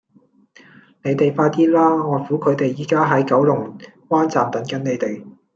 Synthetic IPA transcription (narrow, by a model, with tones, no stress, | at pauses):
ne˨˧jt̪e˨jfaː˧jt̪iː˥laː˥ŋɔː˨˧fu˨˥kʰɵ˨˧t̪e˨jːiː˨˩kaː˥ɦɐ˨˥jkɐ˨˥wlʊ˨˩ŋ | kwaː˥nt͡saː˨˩mt̪ɐ˨˥nkɐ˨˥nne˨˧jt̪e˨j